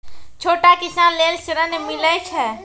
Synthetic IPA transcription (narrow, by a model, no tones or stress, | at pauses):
t͡ʃʰoʈakisanlelsɾənmilət͡ʃʰɛ